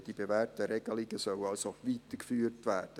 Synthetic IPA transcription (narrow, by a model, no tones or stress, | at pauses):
d̥ibevæːrtəɾɛɡ̥əliɡəsœwɑlsoʋiːt̪əkfyːrtʋæːrd̥ə